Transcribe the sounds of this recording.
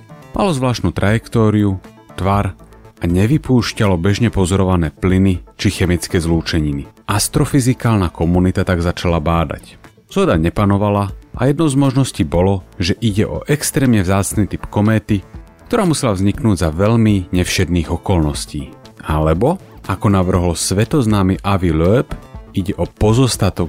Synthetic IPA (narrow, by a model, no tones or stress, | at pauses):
malɔzʋlaːʃt̪nut̪ɾʔajɛkt̪ɔːɾiu | t̪ʋaɾʔaɲɛʋipuːʃcalɔbɛʒɲɛpɔzɔɾɔʋanɛːplinit͡ʃixɛmit͡skɛːzluːt͡ʃɛɲiniʔast̪ɾɔfizikaːlnakʰɔmunit̪at̪aɡzat͡ʃalabaːd̪a̰c | z̥ɦɔd̪aɲɛpanɔʋalaʔa̰jɛd̪nɔʊzmɔʒnɔsciːbɔlɔʒɛʔiɟɛʔɔ̰ʔɛkst̪ɾɛːmɲɛvzaːt͡sniːt̪ipkɔmɛːt̪i | k̚t̪ɔɾaːmusɛlavzɲiknuːɟzaʋɛʎmiɲɛfʃɛd̪niːɣɔkɔlnɔsciːalɛbɔakɔnaʋr̩ɦɔlsʋɛt̪ɔznaːmiʔaʋilœɛpiɟɛʔɔpɔzɔst̪at̪ɔk